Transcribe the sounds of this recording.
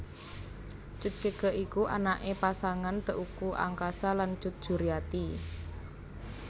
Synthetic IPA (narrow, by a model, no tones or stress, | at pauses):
t͡ʃʊt̪̚ɡ̥əɡ̥ə̤ʔikuʔa̰naʔepasaŋant̪əʔukuʔa̰ŋkasalan̥d͡ʒ̥ʊt̪̚d̥ʒ̥ṳɾijat̪i